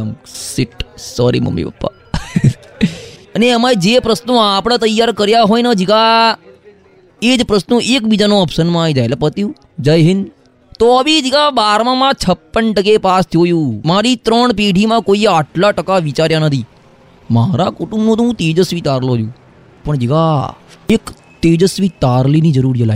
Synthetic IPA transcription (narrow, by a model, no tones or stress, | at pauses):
msɪʈsɔɾḭmə̰mːḭpə̰pːa̰ | əneəmad͡ʒepɾəsnũapɽ̃ãt̪əjːaɾkəɾjaɦojnəd͡ʒiɡa | ed͡ʒpɾəsnũʔekbid͡ʒanoəpsənmãːid͡ʒajlepət̪iũ | d͡ʒəjɦɪn | t̪oəʋid͡ʒiɡabaɾmãmãt͡ʃʰəpːəɳʈək̬epast̪ʰjojũːmaɾit̪ɾəɳpeɖʱimãkoiaʈʰlaʈəkaʋit͡ʃaɾjanət̪ʰi | maɾakuʈũmnõt̪uũt̪ed͡ʒəsʋit̪aɾlod͡ʒũː | pəɳd͡ʒiɡaek | t̪ed͡ʒəsʋit̪aɾlinid͡ʒəɾuɾd͡ʒəla̰